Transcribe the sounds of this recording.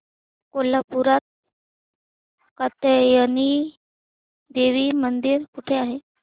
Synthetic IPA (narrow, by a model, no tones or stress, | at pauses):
kolapuɾat̪̚ | kat̪əjani | d̪eʋiːmənd̪iːɾkuʈʰeaɦe